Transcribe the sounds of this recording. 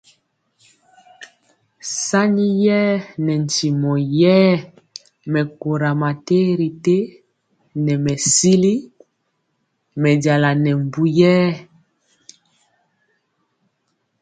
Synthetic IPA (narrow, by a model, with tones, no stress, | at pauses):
sa˦ɲi˦jɛː˦nɛ˨n˨ti˨mɔ˨jɛ˦ | mɛ˨ko˨ɾa˨ma˨te˦ɾi˨te˦ | nɛ˨mɛ˨si˦li˦ | mɛ˨da˨la˨nɛ˨m˨bu˦jɛː˦